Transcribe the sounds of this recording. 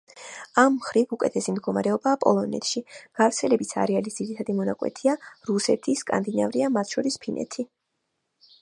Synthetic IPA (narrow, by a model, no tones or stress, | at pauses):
amːχɾivukʼɛt̪ʰɛsimd̪̚ɡɔmaɾɛɔbaːpʼɔ̰lˠɔnɛ̰t̪ʰʃiɡ̥avɾt̪sʰɛlɛbisʰa̰ɾɛalisd̪iɾit̪ʰad̪imɔnakʼwɛ̰t̪ʰiaɾusɛt̪ʰiskʼa̰nd̪ina̰vɾiamat̪ʰʃɔɾispʰinʔɛ̰t̪ʰi